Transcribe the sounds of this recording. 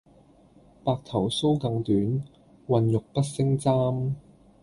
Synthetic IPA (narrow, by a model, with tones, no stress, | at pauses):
paː˨k̚t̪ʰɐ˨˩wso˥wkɐ˧ŋt̪yː˨˥n | wɐ˨˧njʊ˨k̚pɐ˥t̚sɪ˥ŋt͡saː˥m